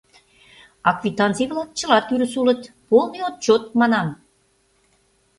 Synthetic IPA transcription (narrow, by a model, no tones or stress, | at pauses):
ɑkvit̪ɑnt͡sijβlɑk̚t͡ɕə̆lɑt̪yɾəsulə̆t̪ | polˠniot̪̚t͡ɕot̪̚mɑnɑm